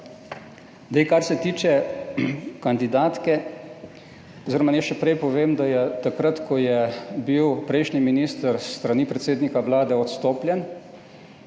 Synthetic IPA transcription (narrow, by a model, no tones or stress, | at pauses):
d̪ɛjkaɾsɛt̪iːt͡ʃɛ | kand̪id̪aːt̪kɛ | ɔziɾɔmanɛʃɛpɾɛjpɔʋeːmd̪ajɛt̪akɾat̪kʰɔjɛbiwpɾɛjʃniminiːst̪əɾst̪ɾaniːpɾɛt̪seːd̪nikaʋlaːd̪ɛɔt̪st̪oːpljɛn